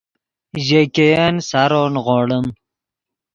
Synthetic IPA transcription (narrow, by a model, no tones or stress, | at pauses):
ʑekejansaɾoːnɣoːɽəm